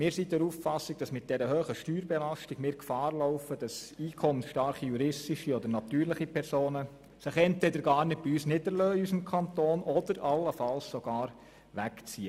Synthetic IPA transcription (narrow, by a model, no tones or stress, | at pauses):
mɪːɾsidɛɾuːffɑsːɪɡ̚d̥ɑsmɪt̚d̥ɛɾəhøːχəʃtyːɾbɛlɑstɪɡmɪːɾkfɑːɾlɔʊfəd̥ɑsiːkʰɔmənʃtɑɾχijuɾɪstiʃiɔd̪əɾnɑt̪yːɾlɪχipʰɛɾsoːnə | sɪχɛntvɛdəɾɡɑːɾnɪt̚b̥iyːsnɪdəɾløːiys̬əmkʰɑntoːnɔdəɾʔɑlːəfɑlssoɡ̥ɑːɾ | ʋækt͡siə